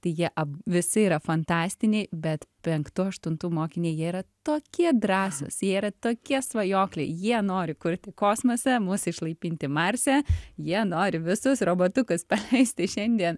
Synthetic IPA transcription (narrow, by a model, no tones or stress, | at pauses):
t̪ɐɪjiɛʔɐʋʲɪsɪiːɾɐfɐnt̪ɑːsʲt̪ʲɪnʲeɪbʲɛt̪pʲɛŋkt̪uːɐʃt̪ʊnt̪uːmoːkʲɪnʲiːjiɛiɾɐt̪oːkʲiɛd̪ɾɑːso̰sjiɛiɾɐt̪oːkʲiɛsʋɐjoːklʲɛɪjiɛnoːɾʲɪkʊɾʲt̪ʲɪkoːsmosʲɛmʊsɪʃlˠɐɪpʲiːnʲt̪ʲɪmɑɾʲsʲɛjiɛnoːɾʲɪʋʲɪsʊsroːboːt̪ʊkʊspɐlʲɛɪsʲt̪ʲɪʃʲɛnʲd̪ʲiɛn